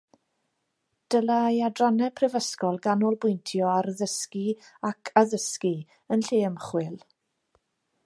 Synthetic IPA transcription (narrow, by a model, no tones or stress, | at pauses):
d̥əlˠajadranɛpʰrɛvəskɔlˠɡanɔlˠbʊjntʰjɔaɾəðəskiakʰaðəski | ənɬeːmχwɪlˠ